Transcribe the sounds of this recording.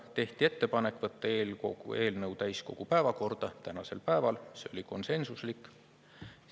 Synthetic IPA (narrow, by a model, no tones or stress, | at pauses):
t̪e̞ht̪ie̞t̪ːe̞pɑne̞kːˑvɤt̪ːɑe̞ːlko̰ɡṵe̞ːlnɤwt̪æjsko̞̰ɡ̥upæevɑko̞rd̪̥ɑt̪ænɑse̞̰lpæevɑlseo̞liko̞nse̞nsuslikːˑ